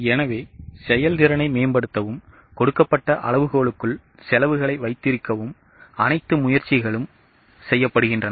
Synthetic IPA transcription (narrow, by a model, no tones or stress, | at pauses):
ɛnɐʋeːsɛjɐld̪ɪɾɐnɐɪmeːnbɐɽɯt̪ːɐʋɯm | kɔɽɯkːɐpːɐʈːɐʔɐ̰lɭɐʋɯɣoːɭɯkːɯɭ | sɛlɐʋɯɣɐɭɐɪʋɐɪt̪ːɪɾɯkːɐʋɯm | ɐnɐɪt̪ːɯmʊjɐɾt͡ʃːɪɣɐɭɯm | sɛjːɐpːɐɽɯɣɪndrɐn